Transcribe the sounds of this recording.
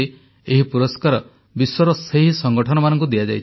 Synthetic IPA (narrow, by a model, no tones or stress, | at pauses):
i | eɦipuɾɔskaɾɔ | bisɔɾɔseɦisɔŋɡɔʈʰɔnɔmanɔŋkud̪iad͡ʒajt͡ʃʰ